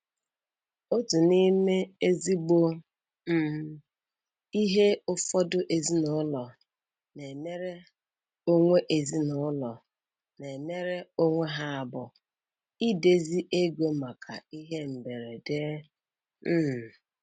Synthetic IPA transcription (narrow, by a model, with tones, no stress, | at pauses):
o˦tu˨ni˦me˦e˦zi˦ɡ͡bo˦ | m̩˦˨ | i˦ɦe˦ʊ˦fɔ˦dʊ˦ʔe˨zi˦nʊ˦ʊ˦lɔ˨ | ne˨me˦ɾe˦ | o˦ŋʷe˦ʔe˨zi˦nʊ˦lɔ˨ | ne˨me˦ɾe˦o˦ŋʷe˦ɦa˦a˨bʊ˨ | i˦de˦zi˦ʔe˦ɡʷe˦ma˨kʰa̰˨i˦ɦe˦m̩˨be˨ɾe˨de˦ | m̩ː˦˨